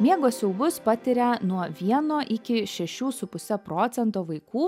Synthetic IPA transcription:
mʲiɛɡoːsʲɛʊbʊspɑt̪ʲɪɾʲɛnuɔʋʲiɛnoːʔɪkʲɪʃʲɛʃʲuːsʊpʊsʲɛpɾoːt̪sʲɛnt̪oːʋɐɪkuː

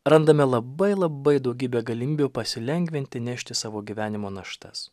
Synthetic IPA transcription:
ɾɐnd̪ɐmʲɛlˠɐbɐɪlˠɐbɐɪd̪ɒʊɡʲiːbʲeːɡɐlʲɪmʲiːbʲupɐsʲɪlʲɛŋʲɡʲʋʲɪnʲt̪ʲɪnʲɛʃʲt̪ʲɪsɑːʋoːɡʲiːʋʲæːnʲɪmoːnɐʃt̪ɐs

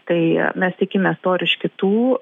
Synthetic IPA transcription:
t̪ɐɪmʲɛst̪ʲɪkʲɪmʲɛst̪oːɾʲɪʃʲkʲɪt̪uː

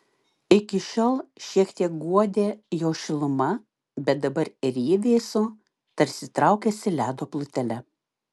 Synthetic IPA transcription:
ɪkʲɪʃʲoːlˠʃʲiɛkt̪ʲiɛk̚ɡuɔd̪ʲeːjoːʃʲɪlˠʊmɐ | bʲɛt̪̚d̪ɐbɐɾɪɾʲiːd̪ʲeːsʊ | t̪ɐɾʲsʲɪt̪ɾɑˑʊkʲɛsʲɪlʲæːd̪oːplˠʊt̪ʲɛlʲɛ

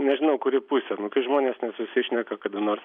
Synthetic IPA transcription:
nʲɛʒʲɪnɐʊkʊɾʲɪpuːsʲɛnʊkɐɪʒmoːnʲeːsnʲɛsʊsʲɪʃʲnʲɛkɐkɐd̪ʊnoːrs

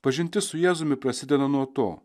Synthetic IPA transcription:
pɐʒʲɪnʲt̪ʲɪsʊjæːzʊmʲɪpɾɐsʲɪd̪ʲɛnɐnuɔt̪o̰ː

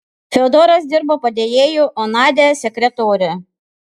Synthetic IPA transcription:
fʲɛɔd̪ɔːɾɐsd̪ʲɪɾboːpɐd̪ʲeːjeːjuːʔɔnɑːd̪ʲesʲɛkʲɾʲɛt̪oːɾʲɛ

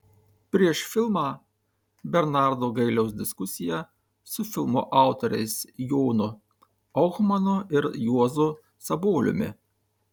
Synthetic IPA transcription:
pʲɾʲiɛʃfʲɪlˠmɑː | bʲɛɾnɑˑɾd̪oːɡɐɪlʲɛʊs̬d̪ʲɪskʊsʲɪjæ | sʊfʲɪlˠmoʔɑˑʊt̪ɔɾʲɛ̰ɪsjoːnʊ | ɔxmɐnʊɪɾjuɔzʊ | sɐboːlʲʊ̰mʲɪ̰

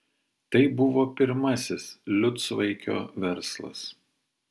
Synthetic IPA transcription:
t̪ɐɪbʊʋoːpʲɪɾmɐsʲɪslʲʊt̪sʋɐɪkʲo̰ːʋʲɛɾslˠɐ̰s

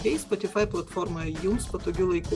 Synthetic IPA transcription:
ɛɪspɔt̪ʲɪfaɪplˠɐt̪fɔɾmɐjunspɔt̪oːkʲulˠɐɪkuː

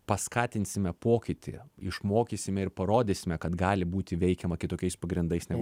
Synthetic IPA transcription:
pɐskɑːt̪ʲɪnʲsʲɪmʲɛpoːkʲɪt̪ʲɪ̰ɪʃmoːkʲisʲɪmʲɛɪɾpɐɾoːd̪ʲeːsʲɪmʲɛkɐt̪ɡɑːlʲɪbuːt̪ʲɪʋʲɛɪkʲɛmɐkʲɪt̪oːkʲɛɪspɐɡɾʲɪnd̪ɐɪsnʲɛ

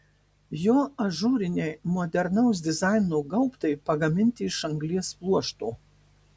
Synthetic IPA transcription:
joːɐʒuːɾʲɪnʲɛɪmɔːd̪ʲɛɾnɐʊs̬d̪ʲɪzɑˑɪnuːɡɐʊpt̪ɐɪpɐɡɐmʲɪnʲt̪ʲɪɪʃɐŋɡlʲiɛsplˠuɔʃt̪uː

